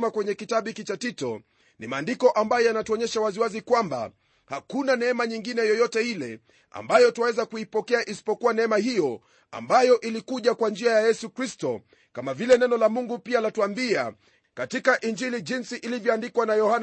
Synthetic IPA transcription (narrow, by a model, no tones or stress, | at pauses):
makwɛɲɛkitaɓikit͡ʃatitɔ̰ | nimaːndikɔʔambajɔjanatuɔɲɛʃawaziwazikwamba̰ | hakunanɛɛmaɲiŋɡinɛjɔjɔtɛilɛ | a̰mbajɔtuwawɛzakuipɔkɛaʔisi̥pɔkuwanɛɛmahijɔ | a̰mbajɔʔilikuʄakwand͡ʒiajajɛsukɾistɔ | kamavilɛnɛnɔlamuŋɡupialatuambia | katikaʔind͡ʒiliʄinsiʔilivjɔandikwanajɔhan